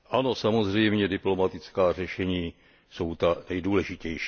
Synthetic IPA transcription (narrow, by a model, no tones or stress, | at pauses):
ʔano̞samozrɛjmɲɛdɪplo̞mat̪ɪt͡skaːr̝ɛʃɛɲiː | so̞wt̪anɛjduːlɛʒicɛjʃ